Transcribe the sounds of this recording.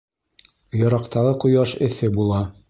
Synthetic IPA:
jɑ̆ɾɑqt̪ʰɑʁɤqujɑʃɘ̆θɘbulˠɑ

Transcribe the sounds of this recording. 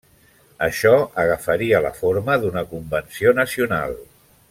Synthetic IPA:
əʃɔəɣəfəɾiələ̰foɾməðunəkumbənsionəsiuna̰lˠ

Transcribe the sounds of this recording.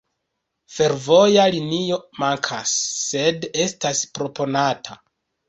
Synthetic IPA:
fe̞ɾvo̞jalinio̞maŋkʰasːe̞de̞staspɾo̞po̞natʰa

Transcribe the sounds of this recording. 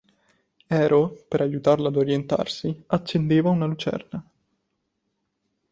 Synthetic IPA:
ɛːɾopeɾʔajut̪arlad̪oɾjent̪a̰rsiat͡ʃːend̪eːvaunalut͡ʃɛ̰rna

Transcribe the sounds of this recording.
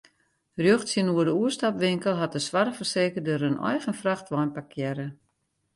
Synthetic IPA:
rjøxtsiənuərdəuəstapʋɪŋkəlˠɦat̚dəsʋaɾfərseːkərdøɾənɔ̰jɣənfraxtʋɔjnpakʰjɛɾə

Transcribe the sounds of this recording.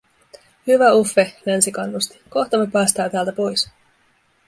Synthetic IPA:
hyʋæufːelænsikɑnːust̪i̥ko̞ht̪ɑmːepæːst̪ɑːt̪æːlt̪æpo̞js

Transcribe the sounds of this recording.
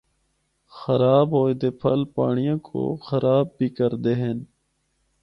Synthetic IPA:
xəɾaːbɦoːed̪eːpʰəlpa̰ːɳijãːkʰo̰ːxəɾaːb̚ːiːkəɾd̪eːɦeːn

